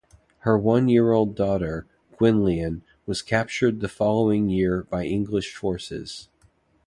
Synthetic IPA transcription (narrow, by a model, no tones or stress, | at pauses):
hə˞wʌ̃njɪɹoʊlˠdɔɾə˞ | ɡ̥wɪ̃nliɨ̃n | wʌz̥kʰæp̚t͡ʃə˞d̪̚ðɨfɑlˠoʊɪ̃ŋjɪɹb̥aɪʔɪ̃ŋɡlɨʃfɔɹsɪ̰z̥